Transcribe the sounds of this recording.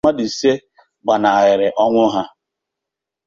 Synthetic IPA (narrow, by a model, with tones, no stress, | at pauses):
a˦di˨se˦ | ɡ͡ba˨na˨ɣɪ˨ɾɪ˨ʔɔ˦ŋʷʊ˦ɦa˦